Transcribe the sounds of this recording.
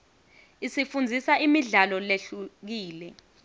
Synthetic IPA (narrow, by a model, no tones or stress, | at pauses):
isifund͡zʱisaʔimiɮalɔleɬuk̬iːlɛ